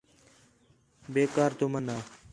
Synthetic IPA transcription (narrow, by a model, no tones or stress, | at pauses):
beːkaːɾt̪oːmənaː